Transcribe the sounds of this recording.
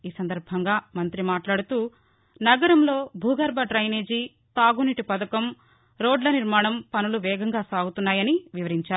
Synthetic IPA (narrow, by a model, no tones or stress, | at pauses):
iːsɐnd̪ɐɾbʱɐŋɡaːmɐnt̪ɾimaːʈlaːɽut̪uː | nɐɡɐɾɐmlo̞ːbʱuːɡɐɾbɐʈɾɐjneːd͡ʒiː | t̪aːɡuniʈipɐd̪ɐkɐm | ɾo̞ːɖlɐniɾmaːɳɐmpɐnuluʋɛːɡɐŋɡaːsaːɡut̪unːaːjɐniʋiʋɐɾiɲt͡ʃaːɾu